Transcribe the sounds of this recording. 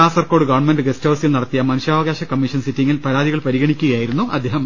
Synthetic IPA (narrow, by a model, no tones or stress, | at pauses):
aːsɐrkoːɽɨɡɐʋɐɳmenɖɨɡestɐːʋsilnɐɽɐt̪ːijɐmɐnuɕaːʋɐɣaːɕɐkɐmːiʂɐnsitːiŋːilpɐɻaːðiɣɐɭpɐɾiɣɐɳikʲːuɣɐjaːjiɾunːuʔɐ̰d̪ʱːeːɦɐm